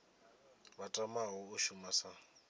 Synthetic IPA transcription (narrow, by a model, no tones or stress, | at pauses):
batʼamaɦʊʊʃumasa